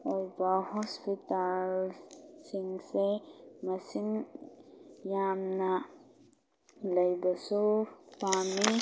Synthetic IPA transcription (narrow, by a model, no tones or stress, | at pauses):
ɔɾbaɦɔspit̪alsiŋɡsemɐsin | jaːmna | lɐjbɐsupaːmi